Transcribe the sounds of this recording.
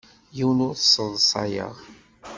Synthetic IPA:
jiwnʊɾθə̥sˤːənsˤɑ̰jə̰ʁ

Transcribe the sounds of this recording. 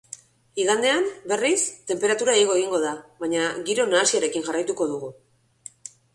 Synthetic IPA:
iɣand̪e̞ambe̞rist̪e̞mpe̞ɾat̪uɾaeɣo̞e̞ɣ̞iŋɡo̞ðaβaɲaɣiɾo̞naːsiaɾe̞kinʝarajt̪uko̞ðuɣu

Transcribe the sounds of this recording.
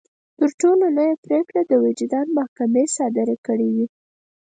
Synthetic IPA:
t̪əɾʈolonəjapɾekɽad̪əwɪd͡ʒɪd̪ɑnmahkamesɑd̪ɪɾekəɽiwi

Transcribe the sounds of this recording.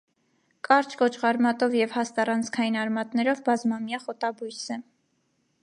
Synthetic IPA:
kʰʼɑɾt͡ʃʰkɔt͡ʃʰʁɑɾmɑt̪ɔvjɛvhɑst̪ɑrɑnt͡sʰkʰɑjinɑɾmɑt̪nɛɾɔvbɑzmɑmjɑχɔt̪ɑbujsɛ

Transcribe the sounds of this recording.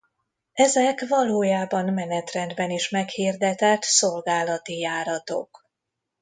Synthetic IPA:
ɛzɛkvɒloːjaːbɒnmɛnɛt̪rɛnd̪bɛniʃmɛkhiːrd̪ɛt̪ɛt̪so̞lɡaːlɒt̪ijaːɾɒt̪o̞̰k

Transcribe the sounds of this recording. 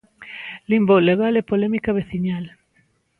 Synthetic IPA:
limboleɣalepolɛmikaβeθiɲal

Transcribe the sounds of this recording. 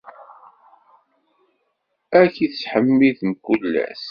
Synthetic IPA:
ækiθsħəmːiðmkʷːulːæ̰s

